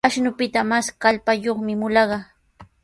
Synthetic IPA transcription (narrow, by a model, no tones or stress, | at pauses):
aʃnʊpɪt̪amaskaʎpajoχmɪmʊlɑɢɑ